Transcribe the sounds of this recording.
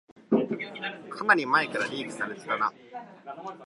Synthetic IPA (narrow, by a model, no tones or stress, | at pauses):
kʰanaɾʲimaekaɾaɾʲiːɡi̥saɾet͡sɨ̥ɾana